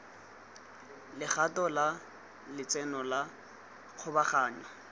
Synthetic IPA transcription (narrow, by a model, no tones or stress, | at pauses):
lɪχatɔla | lɪt͡sʼɛnɔla | q͡χʰʊbaχaːɲwa